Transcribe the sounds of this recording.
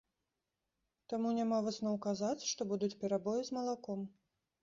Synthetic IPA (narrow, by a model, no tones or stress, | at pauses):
t̪amunʲamavɨsnɔwkazat͡sʲʂt̪ɔbud̪ut͡sʲpʲɛɾabɔjizmɐlˠakɔm